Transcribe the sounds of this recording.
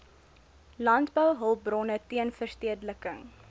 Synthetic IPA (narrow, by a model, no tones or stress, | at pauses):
lɑntbəwɦəlˠbrɔnətiənfərstiədləkəŋ